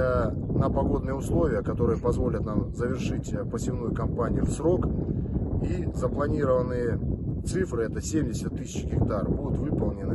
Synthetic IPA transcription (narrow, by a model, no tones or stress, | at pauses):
nəpɐɡo̞d̪nɨjəʊslˠo̞vʲɪjəkɐt̪o̞ɾɨjəpɐzvo̞lʲət̪namzəvʲɪrʂɨtʲpəsʲɪvnujʊkɐmpanʲɪijʊfsɾo̞k | izəplˠɐnʲiɾəvənːɨjət̪sɨfɾɨɛt̪əsʲemʲdʲɪsʲət̪ːɨsʲɪt͡ɕɡʲɪkt̪arbud̪ʊt̪vɨpəlˠnʲɪnɨ